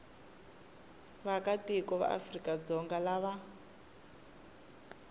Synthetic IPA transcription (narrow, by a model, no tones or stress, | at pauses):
βakatikɔβa̰ʔa̰frikad͡zɔŋɡalaβa